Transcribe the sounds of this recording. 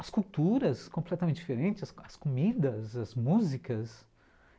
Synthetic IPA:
ɐskuwt̪uɾɐskõplɛt̪ɐmẽt̪ɪd͡ʒifeɾẽnt͡ʃɪsɐskomid̪ɐzɐzmuzikɐs

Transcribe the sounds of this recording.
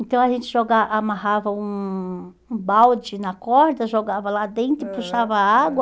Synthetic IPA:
ẽnt̪ɐ̃w̃ɐʒẽnt͡ʃɪʒoɡaamahavɐũ | ũbawd͡ʒɪnɐkɔɾd̪ɐʒoɡavɐlad̪ẽnt̪ɾʊɪpuʃavɐaɡwɐ

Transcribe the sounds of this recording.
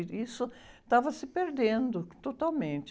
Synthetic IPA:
isʊt̪avɐsɪpeɾd̪ẽnd̪ʊt̪ot̪awmẽnt͡ʃ

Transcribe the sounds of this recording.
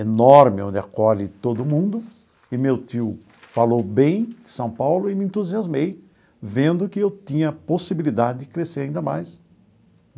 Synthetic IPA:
enɔɾmɪõd̪ɪa̰kɔʎɪt̪od̪ʊmũnd̪ʊ | ɪmewt̪iʊ | falowbẽj̃d̪̥ɪsɐ̃w̃pawlʊɪmɪẽnt̪uziazmej | vẽnd̪ʊkɪewt̪ĩɲɐposibilid̪ad̪ɪd̪ɪkɾeseɾaĩnd̪ɐmajs

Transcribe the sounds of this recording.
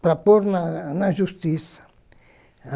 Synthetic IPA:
pɾapoɾnanaʒust̪isḁ

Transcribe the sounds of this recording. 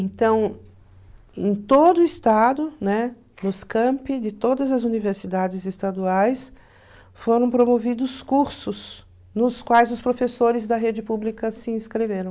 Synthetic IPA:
ẽnt̪ɐ̃w̃ | ẽj̃t̪od̪ʊɪst̪ad̪ʊnɛ | nʊskɐ̃mpɪd͡ʒɪt̪od̪ɐzɐzuniveɾsid̪ad͡ʒɪzɪst̪ad̪uajs | foɾɐ̃w̃pɾomovid̪ʊskuɾsʊs | nʊskwajzʊspɾofesoɾɪzd̪ɐɦed͡ʒɪpublikɐsɪĩskɾeveɾɐ̃w̃

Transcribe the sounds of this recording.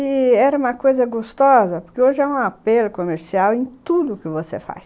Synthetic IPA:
ɪɛɾɐũmɐkojzɐɡost̪ɔzɐpoɾkeoʒɪɛũapelʊkomeɾsiawẽj̃t̪ud̪ʊːkɪvosḛfa̰js

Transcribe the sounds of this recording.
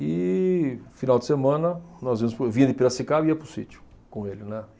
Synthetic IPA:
ɪ | finawd̪ɪsemɐ̃nɐnɔzvĩɐmʊspɾʊvĩɲɐd̪ɪpiɾɐsikaiɐpɾʊsḭt͡ʃ̪ʊ̥ | kõelɪnɛ

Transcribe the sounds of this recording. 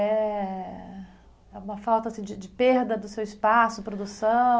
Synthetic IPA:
ɛ | ɛũmɐfawt̪ɐasĩd͡ʒɪd͡ʒɪpeɾd̪ɐd̪ʊsewɪspasʊpɾod̪usɐ̃

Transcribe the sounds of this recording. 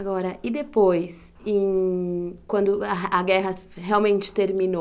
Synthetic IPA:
aɡɔɾɐʔɪd̪epojs | ẽj̃ | kwɐ̃nd̪ʊɐɡɛɦɐɦeawmẽnt͡ʃɪ̥t̪eɾmĩno

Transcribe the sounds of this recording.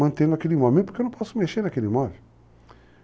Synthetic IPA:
ɐ̃nt̪ẽd̪ʊakelimɔvmẽpoɾkewnɐ̃pɔsʊmeʃeɾnakelimɔve

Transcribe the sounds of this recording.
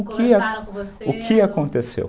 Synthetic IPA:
kʰɪaʊkʰɪakõnt̪esḛw

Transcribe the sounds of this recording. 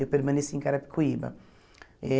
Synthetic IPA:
ewpeɾmɐ̃nesẽkaɾɐpi̥kʰuibɐ̰ | ɛ

